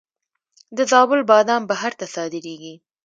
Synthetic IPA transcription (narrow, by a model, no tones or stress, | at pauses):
d̪əzɑbʊlbɑd̪ɑmbaɦaɾt̪asɑd̪ɪɾeɡi